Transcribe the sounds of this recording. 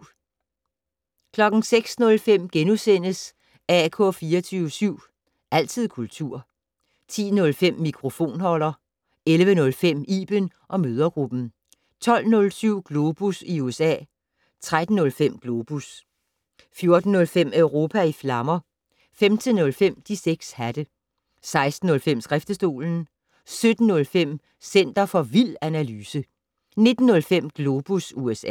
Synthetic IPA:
kʰlɒ̽ɡ̥n̩seɡ̥snɔ̽lfem̰ɡ̥enusen̰əs | ækʰɔ̽ːfiːɐt͡sʰyʊəsyʊ̰ | ʔæl̰t͡sʰið̰ˠkʰult͡sʰuɐ̰ | t͡sʰḭːnɔ̽lfem̰ːikʰʁo̝fo̝̰ːnhɒ̽l̰ɐ | elʋənɔ̽lfem̰ḭːb̥ən | ʔɒ̽møːð̞ˠɐɡ̥ʁub̥n̩ | t͡sʰɒ̽l̰nɔ̽lsyʊ̰ɡ̥lo̝ːb̥usiuesɛ̰ː | t͡sʰʁad̥n̩ːɔ̽lfem̰ɡ̥lo̝ːb̥us | fjo̝ɐd̥n̩ːɔ̽lfem̰œʊʁo̝ːpʰæiflɑ̈mɐ | femt͡sʰenːɔ̽lfem̰d̥ʰiseɡ̥shæd̥ə | sɑ̈ɪsd̥n̩ːɔ̽lfem̰sɡ̥ʁafd̥əsd̥o̝̰ːln̩ | sød̥n̩ːɔ̽lfem̰ | sen̰d̥ɐfɒ̽ʋil̰ænælyːsə | ne̝d̥n̩ːɔ̽lfem̰ɡ̥lo̝ːb̥usuesɛ

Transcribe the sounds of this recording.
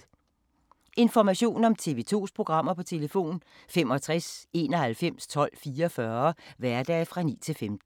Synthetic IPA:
e̝nfɒmæɕo̝̰ːnɒ̽mt͡sʰe̝ːʋe̝t͡sʰo̝̰ːspʰʁo̝ɡ̥ʁɑ̈m̰ɐpʰɒ̽t͡sʰe̝ləfo̝̰ːnfemɒ̽t͡sʰʁase̝ːnɒ̽hælfem̰st͡sʰɒ̽l̰fiːɐfɶːɐʋæɐd̥ɛ̰ːfʁɑ̈nḭːt͡sʰe̝lfemd̥

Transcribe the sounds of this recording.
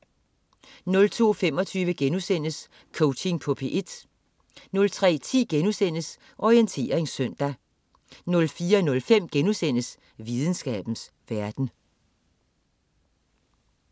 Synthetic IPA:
nɔ̽lt͡sʰo̝̰ːfem̰ɒ̽t͡sʰyːʋəɡ̥enusen̰əs | kʰɔʊt͡sʰe̝ŋpʰɔ̽pʰe̝ʔe̝d̥ | nɔ̽lt͡sʰʁɛ̰ːt͡sʰḭːɡ̥enusen̰əs | ʔɒient͡sʰe̝̰ːɐeŋsːœn̰d̥æ | nɔ̽lfiːɐnɔ̽lfem̰ɡ̥enusen̰əs | ʋiðˠn̩sɡ̥ɛ̰ːb̥n̩s | ʋæɐd̥n̩

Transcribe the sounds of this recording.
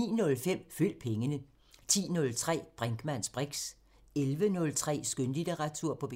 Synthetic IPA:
ḭːnɔ̽lfem̰fyl̰̥̚pʰeŋənə | t͡sʰḭːnɔ̽lt͡sʰʁɛ̰ːb̥ʁaŋɡ̥mæn̰sb̥ʁeɡ̥s | elʋənɔ̽lt͡sʰʁɛ̰ːsɡ̥ønlid̥eʁɑ̈t͡sʰuɐ̰pʰɒ̽b̥e

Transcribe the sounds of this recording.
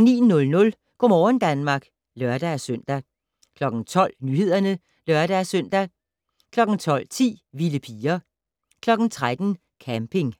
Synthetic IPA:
nḭːnnɔ̽lnɔ̽l | ɡ̥ɒ̰mɒːnd̥ænmɑ̈ːɡ̥ | lœɐd̥æsøn̰d̥æ | kʰlɒ̽ɡ̥n̩t͡sʰɒ̽l̰nyhe̝ð̞̰ˠɐnə | lœɐɾ̥æsœn̰d̥æ | kʰlɒ̽ɡ̥n̩t͡sʰɒ̽l̰t͡sʰḭːʋiləpʰiːɐ | kʰlɒ̽ɡ̥n̩t͡sʰʁad̥n̩ | kʰæmpʰe̝ŋ

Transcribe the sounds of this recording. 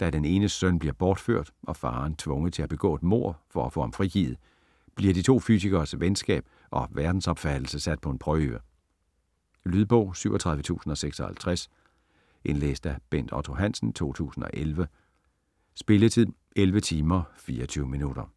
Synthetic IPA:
d̥æd̥ene̝ːnəsœn̰b̥liɐb̥ɒːd̥fø̰ɐ̰d̥ʔɒ̽fɑ̈ːnt͡sʰʋɔ̽ŋəð̩ˠt͡sʰe̝hæb̥e̝ɡ̥ɔ̰̽ːed̥mo̝ɐ̰fɒ̽æfɔ̽ːhɑ̈mfʁiɡ̥ḭːð̩ˠ | b̥liɐ̰d̥it͡sʰo̝̰ːfy̰siɡ̥ɐːsʋensɡ̥ɛ̰ːb̥̚ | ʔɒ̽ʋæɐd̥n̩sɒ̽b̥fæd̥l̩səsæd̥̚pʰɒ̽e̝npʰʁœːʋə | lyðˠb̥ɔ̽ʊ̰syʊɒt͡sʰʁɑ̈ðˠʋət͡sʰṵːsn̩ɒ̽seɡ̥sɒ̽hæ̰lt͡sʰʁas | ʔe̝nlḛːsd̥æb̥en̰d̥ɒ̰t͡sʰo̝ɦæn̰sn̩t͡sʰo̝̰ːt͡sʰṵːsn̩ɒ̽ʔelʋə | sb̥e̝lət͡sʰið̰ˠ | elʋət͡sʰiːmɐfiːɐɒt͡sʰyʊəminuɾ̥ɐ

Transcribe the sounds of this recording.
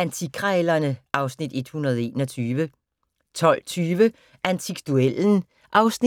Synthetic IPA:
ænt͡sʰikʰʁɑelɐnəʔɑ̈ʊsnid̥e̝d̥hunɐð̞ˠe̝ːnɒt͡sʰyːʋə | t͡sʰɒ̽l̰t͡sʰyːʋə | ʔænt͡sʰiɡ̥d̥uel̰n̩ | ʔɑ̈ʊsni

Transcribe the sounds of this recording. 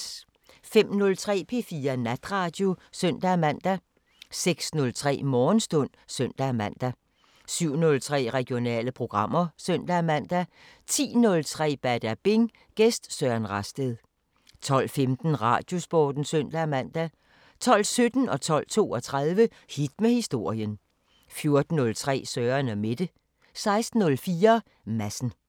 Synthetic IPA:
fem̰nɔ̽lt͡sʰʁɛ̰ːpʰe̝fiːɐnæd̥ʁɑ̈d̥jo̝søn̰d̥æmæn̰d̥æ | seɡ̥snɔ̽lt͡sʰʁɛ̰ːmɒːnsd̥ɔ̽n̰søn̰d̥æmæn̰d̥æ | syʊ̰nɔ̽lt͡sʰʁɛ̰ːʁɛɡ̥jo̝nɛ̰ːləpʰʁo̝ɡ̥ʁɑ̈m̰ɐsøn̰d̥æmæn̰d̥æ | t͡sʰḭːnɔ̽lt͡sʰʁɛ̰ːb̥æɐd̥æb̥e̝ŋ | ɡ̥esd̥sɶænʁɑsd̥eðˠ | t͡sʰɒ̽l̰femd̥n̩ʁɑ̈d̥jo̝sb̥ɒ̰ːd̥n̩søn̰d̥æmæn̰d̥æ | t͡sʰɒ̽l̰sød̥n̩ɒ̽t͡sʰɒ̽l̰t͡sʰo̝̰ːɒ̽t͡sʰʁɑð̞ˠʋə | hid̥mehisd̥o̝ɐ̰jən | fjo̝ɐd̥n̩ːɔ̽lt͡sʰʁɛ̰ːsœːɐnɒme̝d̥ə | sɑ̈ɪsd̥n̩ːɔ̽lfiːɐ | mæsn̩

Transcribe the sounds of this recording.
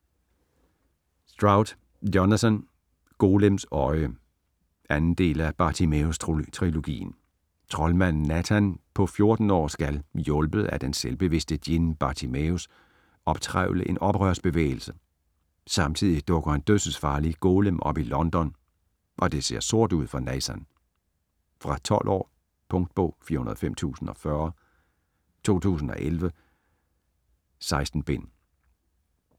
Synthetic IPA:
sd̥ʁɑ̈ʊd̥ | jonæsən | ɡ̥o̝ːlemsɒ̽ɪə | ænn̩d̥e̝̰ːlæb̥ɑ̈t͡sʰimeust͡sʰʁilo̝ɡ̥ḭːn̩ | t͡sʰʁɒ̽lmæn̰ːæt͡sʰænpʰɒ̽fjo̝ɐd̥n̩ɒ̰ːsɡ̥æljɔ̽lb̥əð̩ˠæd̥enselb̥e̝ʋe̝sd̥əd̥jinb̥ɑ̈t͡sʰimeus | ɒ̽b̥̚t͡sʰʁaʊləʔe̝nɒ̽b̥ʁɶɐsb̥e̝ʋḛːɪl̩sə | sɑ̈mt͡sʰið̞̰ˠid̥ɔ̽ɡ̥ɐhænd̥øðsəsfɑ̈ːliɡ̥oːləmʔɒ̽b̥ilɒ̽nd̥ɒ̽n | ʔɒ̽d̥e̝se̝ɐ̰so̝ɐ̰d̥uð̞̰ˠfɒ̈nɛsæn | fʁɑ̈t͡sʰɒ̽l̰ʔɒ̰ː | pʰɔ̽ŋd̥̚b̥ɔ̰̽ːfiːɐunɐðˠɒfem̰t͡sʰṵːsn̩ɒ̽fɶɐ | t͡sʰo̝̰ːt͡sʰṵːs̬n̩ɒ̽ʔelʋə | sɑ̈ɪsd̥n̩b̥e̝n̰

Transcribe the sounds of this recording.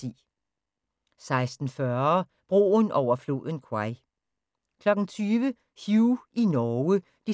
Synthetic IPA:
ḭː | sɑ̈ɪsd̥n̩fɶɐ | b̥ʁo̝̰ːnʔɒʊ̰ɐflo̝̰ːðˠən̩kʰwɑɪ | kʰlɒ̽ɡ̥ŋ̩t͡sʰyːʋə | hjuʔinɒːə | d̥i

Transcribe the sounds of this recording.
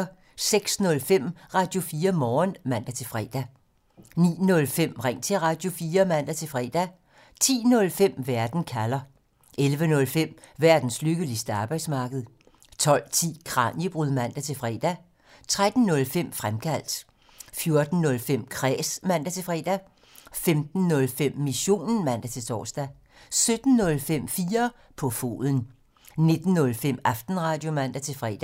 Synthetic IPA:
seɡ̥snɔ̽lfem̰ʁɑ̈d̥jo̝fiːɐmɒːnmæn̰d̥æt͡sʰe̝fʁɛ̰ːd̥æ | nḭːnɔ̽lfem̰ʁaŋ̰t͡sʰe̝ʁɑ̈d̥jo̝fiːɐmæn̰d̥æt͡sʰe̝fʁɛ̰ːd̥æ | t͡sʰḭːnɔ̽lfem̰ʋæɐd̥n̩kʰælɐ | ʔelʋənɔ̽lfem̰ | ʋæɐd̥n̩slyɡ̥əlisd̥əɑ̈ːb̥ɑ̈ɪd̥smɑ̈ːɡ̥əð̞̩ˠ | t͡sʰɒ̽l̰t͡sʰḭːkʰʁɑ̰̈ːnjib̥ʁuðˠmæn̰d̥æt͡sʰe̝fʁɛ̰ːd̥æ | t͡sʰʁad̥n̩nɔ̽lfem̰fʁamkʰæl̰d̥ | fjo̝ɐd̥n̩ːɔ̽lfem̰kʰʁɛ̰ːsmæn̰d̥æt͡sʰe̝fʁɛ̰ːd̥æ | femd̥n̩ːɔ̽lfem̰ːiso̝̰ːnn̩mæn̰d̥æt͡sʰe̝t͡sʰɒ̰ːsd̥æ | sød̥n̩ːɔ̽lfem̰fiːɐ | pʰɒ̽fo̝̰ːðˠən̩ | ne̝d̥n̩ːɔ̽lfem̰ɑfd̥n̩ʁɑ̈ːd̥jo̝mæn̰d̥æt͡sʰe̝fʁɛ̰d̥æ

